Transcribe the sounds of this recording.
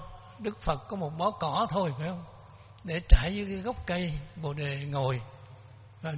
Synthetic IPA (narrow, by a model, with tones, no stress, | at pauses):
ɗɨ˦˥k̚fə˨˩t̚kɔ˨˦mo˨˩t̚ɓɔ˨˦kɔ˧˩˦t̪ʰo˧jfaː˨˦hə˧ŋ͡m | ɗe˧˩t͡ɕaː˧˩jzɨ˧˦kaː˨˦jɣə˦˥wk͡p̚kə˧jɓo̰˨ɗe˨˩ŋo˨˩j | vaː˨˩